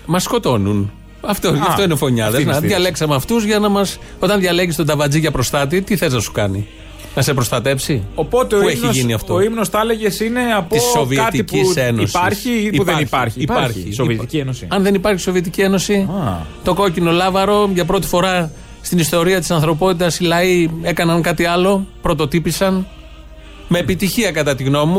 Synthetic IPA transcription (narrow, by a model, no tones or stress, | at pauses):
mɐsko̞t̪o̞nun | ɐft̪oʝɐft̪oinefo̞ɲɐðenðjʝɐle̞ksɐmeɐft̪uzʝɐnɐmɐs | o̞t̪ɐnðʝɐle̞ʝist̪od̪ɐvɐd͡ziʝɐpɾo̞st̪ɐt̪̬it̪iθe̞znɐsu̥kɐnḭ | nɐse̞pɾo̞st̪ɐt̪e̞psiopot̪eoueçiʝiniɐft̪ooimnost̪ɐleʝesine̞ɐp̪issːovieɐt̪iiisenosɐɾsiuðenipɐɾçiɾisoviet̪icienosiɐnðe̞nipɐɾçi̥so̞viet̪icie̞no̞sit̪o̞ko̞cino̞lɐvɐɾo̞ʝɐpɾo̞t̪i̥fo̞ɾɐ | st̪inist̪o̞ɾiɐt̪i̥sɐnθɾo̞po̞t̪it̪ɐsilɐie̞kɐnɐŋkɐt̪iɐlo̞pɾo̞t̪o̞t̪ipisɐn | me̞ːpit̪içiɐkɐt̪ɐt̪iɣno̞mu